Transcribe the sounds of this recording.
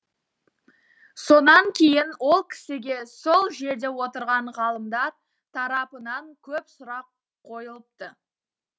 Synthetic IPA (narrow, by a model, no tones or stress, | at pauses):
so̞nɑŋkʲʰejɪnwo̞lˠkʲʰɪ̥sɪɡʲe̞so̞lˠʒe̞ɾd̪e̞wot̪əɾʁɑɴʁɑlˠəmd̪ɑɾ | t̪ʰɑɾɑpənɑŋkʲʰɵpsʊɾɑqʰː | o̞jəlˠəp̚t̪ə